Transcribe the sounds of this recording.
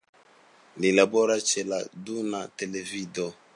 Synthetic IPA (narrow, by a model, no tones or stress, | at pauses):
lilabɔɾat͡ʃɛla̰dunatelevidɔ